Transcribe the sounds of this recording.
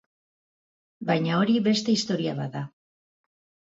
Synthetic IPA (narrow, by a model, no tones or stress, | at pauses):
bajɲao̞ɾiβe̞st̪e̞ist̪o̞ɾiaβaða